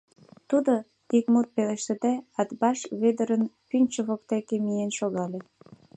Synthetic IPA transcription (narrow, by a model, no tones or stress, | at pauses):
t̪ud̪o | ikmut̪̚peleʃt̪ə̆d̪æɑt̪bɑʃβed̪əɾənpynʲt͡ɕəβokt̪ekemijenʃoɣɑle